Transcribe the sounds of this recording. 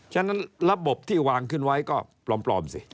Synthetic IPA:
t͡ɕʰːnːa˦˥nɾa˦˧˥bo˨˩p̚t̪ʰiː˥˩waː˧ŋkʰɯ˥˩nwa˦˥jkɔː˥˩plɔː˧mplɔ̰ː˧msi˨˧˩

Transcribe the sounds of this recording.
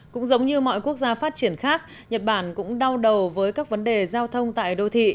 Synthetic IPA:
kʊ̰˧˥ŋ͡mzə˨˦wŋ͡mɲɨ˧mɔ̰˧˨jku˦˥ək̚zaː˧faː˦˥t̚t͡ɕi˧˩ənxaː˦˥k̚ | ɲə˨˩t̚ɓaː˧˩nkʊ̰˧˥ŋ͡mɗa˧wɗə˨˩wvəː˨˦jkaː˦˥k̚və˨˦nɗe˨˩zaː˧wt̪ʰə˧wŋ͡mt̪a̰ː˧˨jɗo˧t̪ʰḭ˧˨

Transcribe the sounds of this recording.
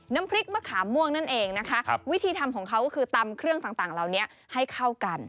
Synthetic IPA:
na˦˥mpʰɾi˦˥k̚maː˧˥kʰaː˩˦mu˥˩əŋna˥˩nʔeː˧ŋna˦˥kʰa˦˥ʔwi˦˥t̪ʰiː˧t̪ʰa˧mkʰɔː˩˦ŋkʰa˦˥wkɔː˥˩kʰɯː˧t̪a˧mkʰɾɯ˥˩əŋt̪aː˨˩ŋt̪aː˨˩ŋlaː˨˩wni˦˥ɐ | ha˥˩jkʰa˥˩wka˧n

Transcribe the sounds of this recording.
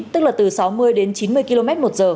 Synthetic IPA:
t̪ɨ˦˥k̚laː˨˩t̪ɨ˨˩sa˨˦wmɨ˧əjɗe˨˦nt͡ɕi˨˦nmɨ˧əjki˧lo˧mɛ˦˥t̚mo˨˩t̚z̥əː˨˩

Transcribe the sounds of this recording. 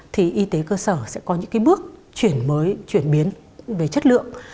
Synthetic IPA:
t̪ʰi˨˩ʔi˧t̪e˨˦kəː˧səː˧˩sɛ̰˧˥kɔ˨˦ɲɨ̰˧˥ŋkaː˨˦jɓɨ˦˥ək̚t͡ɕwi˧˩ənməː˨˦jt͡ɕwi˧˩ənɓi˨˦ən | ve˨˩t͡ɕə˦˥t̚lɨ̰˧˨əŋ

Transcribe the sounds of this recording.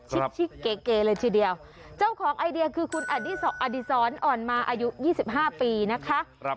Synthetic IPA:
t͡ɕ̚ʰt͡ɕʰi˦˥˩e˦˩keː˧lɤː˧jt̪ʰiː˧˩di˧ɐw | t͡ɕa˥˩wkʰɔː˩˦ŋʔa˧jdi˧ɐkʰɯː˧kʰu˧nʔa˨˧˩diː˧˥˩sɔ˨˩k̚ʔa˧di˧˩sɔː˩˦˥nʔɔː˨˩nmaː˧ʔa˧ju˦˥jiː˥˩si˨˩p̚ɦaː˥˩piː˧na˦˥kʰa˦˥˧

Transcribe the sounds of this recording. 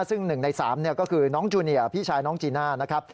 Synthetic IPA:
sɯ˥˩ŋnɯ˨˩ŋna˧jsa̰ː˩˦mni˥˩ɐkɔː˥˩kʰɯː˧nɔː˦˥ŋt͡ɕuː˧ni˨˩ɐpʰiː˥˩t͡ɕʰaː˧jnɔː˦˥ŋt͡ɕiː˧naː˥˩na˦˥kʰɾa˦˥p̚

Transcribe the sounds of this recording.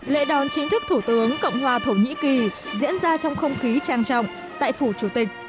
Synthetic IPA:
lḛ˧˥ɗɔ˨˩nt͡ɕi˨˦ŋt̪ʰɨ˦˥k̚t̪ʰu˧˩t̪ɨ˨˦əŋkə̰˧˨wŋ͡mɦwaː˨˩t̪ʰə˧˩wɲḭ˧˥ki˨˩zḭ˧˥ənzaː˧t͡ɕɔ˧wŋ͡mxə˧wŋ͡mxi˨˦t͡ɕaː˨˩ŋt͡ɕɔ̰˧˨wŋ͡m | t̪a̰ː˧˨jfu˧˩t͡ɕu˧˩t̪ï˨˩k̟̚

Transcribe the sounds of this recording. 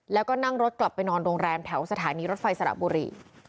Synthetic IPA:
lɛː˦˥wkɔː˥˩na˥˩ŋɾo˦˥t̪̚kla˨˩pːa˧jnɔː˧nɾoː˧ŋɾɛː˧mt̪ʰɛ˩˦wsa˧t̪ʰaː˩˦niː˧ɾo˦˥t̪̚fa˧jsa˧ɾa̰˨˩buː˧ɾḭː˧

